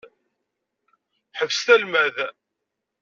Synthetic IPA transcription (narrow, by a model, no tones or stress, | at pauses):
ħəvst̪ælmæð